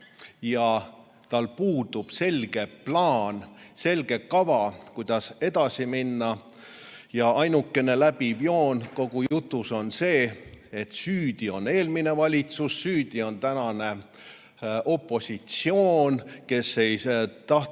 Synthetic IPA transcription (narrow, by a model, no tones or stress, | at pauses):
jɑ | t̪ɑlpuːd̪ub̥se̞lʲɡ̥e̞plɑːnse̞lɡ̥e̞kɑvɑkujd̪̥ɑse̞d̪̥ɑsiminːɑ | jɑɑjnukːˑe̞ne̞læbivjo̞ːnko̞ɡ̥ujut̪ːˑuso̞nse̞ːet̪syːd̪̥io̞ne̞ːlmine̞vɑlʲit̪susːyːd̪̥io̞nt̪ænɑne̞ | ʔo̞pːˑo̞sʲit̪sio̞ːnke̞se̞jt̪ɑh